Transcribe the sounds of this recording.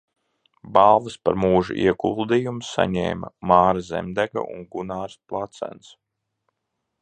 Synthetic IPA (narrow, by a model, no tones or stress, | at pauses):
balˠvɐspaɾmuːʒṵʔiɛɡulˠd̪ijumsa̰ɲɛ̰ːmɐmɑːɾazḛmd̪æɡa̰ʔṵnɡunaːɾsplˠat̪sæ̰ns